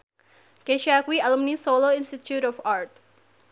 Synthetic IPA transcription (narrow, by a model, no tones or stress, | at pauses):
keʃakwialumnisoloɪnstit̪jutɔfaɹt̪